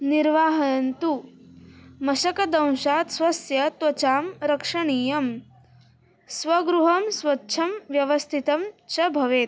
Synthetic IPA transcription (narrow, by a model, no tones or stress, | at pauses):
niɾʋaːɦɐjɐnt̪u | mɐʃɐkɐd̪ɐ̃w̃ʃaːt̪sʋɐsjɐt̪wɐt͡ʃaːmɾɐkʂɐɳiːjɐm | sʋɐɡɾuɦɐmsʋɐtːʃʰɐmʋjɐʋɐst̪ʰit̪ɐmt͡ʃɐbʱɐʋeːt̪